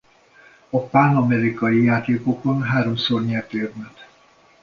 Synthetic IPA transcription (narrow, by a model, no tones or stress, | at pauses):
ɒpanɒmɛɾikɒjijaːt̪eːkokbɔnɦaːɾomsorɲɛt̪øːrmɛt̪